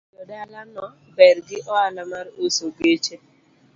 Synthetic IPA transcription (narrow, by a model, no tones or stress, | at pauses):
lɔdɛalanɔ | bɛɾɡɪʔɔalamaɾɪosoɡet͡ʃe